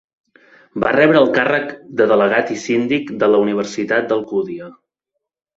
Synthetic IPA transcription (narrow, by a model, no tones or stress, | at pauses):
barɛβɾəːlˠkarəkd̪əðələɣat̪isind̪ikd̪ələuniβ̞əɾsit̪at̪̚d̪əlˠkuðiə